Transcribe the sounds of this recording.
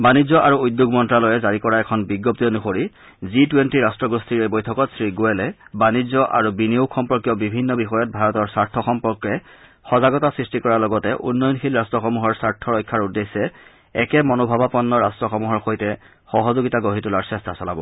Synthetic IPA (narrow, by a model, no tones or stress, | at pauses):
banizɔʔaɹuujdjuɡmɔntɹalojɛzaɹikɔɹaɛkʰɔnbiɡːɔp̚tijɔnuxoɹi | zitwentiɹastɹɔɡɹustʰiɹojbojtʰɔkɔtsɹiɡuɛlɛbanizɔʔa̰ɹubiniokxɔmpɔɹkjɔbibʱinːɔbixɔjɔt̚bʱaɹɔtɔɹsaɹtʰːɔxɔmpɔɹkɛ | xɔzaɡɔtasɹistikɔɹalɔɡɔtɛʔṵnːɔjɔnxilɹastɹɔxɔmuɦɔɹsaɹtʰɔɹɔjkʰːaɹudesːɛ | ɛkɛmɔnobʱabapɔnːɔɹastɹɔxɔmuɦɔɹxojtɛ | xɔɦɔzoɡitaɡoɦitulaɹsɛstasɔla̰bɔ̰